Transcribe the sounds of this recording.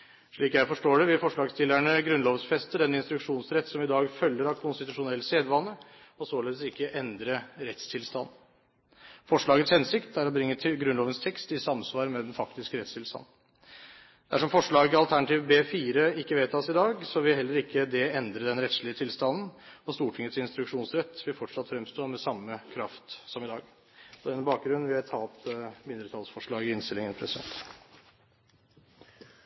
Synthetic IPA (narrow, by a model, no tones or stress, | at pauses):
ʂɭiːkjæɪfɔʂʈoːɖɛʋɪlfɔʂɭɑːɡst̪ɪlːæɳəɡɾʉnloːʋəsfɛst̪əɖ̪ɛnɪnst̪ɾʉkʂuːnsɾɛt̪ːsɔmɪd̪ɑːɡfœlːəɾɑkʰʊnst̪ɪt̪ʉʂʊnɛlseːd̪ʋɑnːə | ɔsoːleːd̪əsɪkːəʔɛnd̪ɾəɾɛt̪st̪ʰɪlst̪ɑnː | fɔʂɭɑːɡət̪shɛnsɪkt̪ʰæɾɔbɾɪŋːət̪ʰɡɾʉnloːʋənst̪ʰɛkst̪ɪsɑmsʋɑːɾmɛd̪ɛnfɑkt̪ɪskəɾɛt̪st̪ɪlst̪ɑ̰nː | d̪̥æʂɔmfɔʂɭɑːɡət̪ɪɑlt̪ʰæɳɑt̪ʰiːʋbeːfiːɾəɪkːəʋeːt̪ʰɑːsɪd̪ɑːɡsɔʋɪlɦɛlːəɾɪkʰːəd̪ɛɛnd̪ɾəd̪ɛnɾɛt̪sʂlɪət̪ʰɪlst̪ɑnn̩ɔst̪uːʈʰɪŋːət̪sɪnst̪ɾʉkʂuːnsɾɛt̪ːʋɪlfɔʈʂɑt̪fɾɛmst̪oːɾmɛsɑmːəkʰɾɑft̪sɔmɪd̪ɑːɡ | ɔd̪ɛnːəbɑːk̚ɡɾʉnːʋɪhɑt̪ʰɑːlt̪mɪnd̪ɾət̪ʰɑlsfɔʂɭɑːɡɪɪnst̪ɪlɪŋənpʰɾɛsɪd̪ɛ̰nt̪